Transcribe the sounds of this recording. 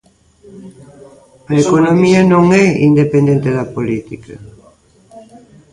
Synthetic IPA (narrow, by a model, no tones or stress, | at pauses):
ɐekonomiɐnõŋɛind̪epend̪ẽnt̪eðɐpolit̪ikɐ̰